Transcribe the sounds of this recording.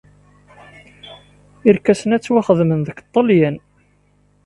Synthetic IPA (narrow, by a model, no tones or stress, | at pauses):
iɾkːæsənæt͡sːwæχəðmənðəkt̪ˤːəljæn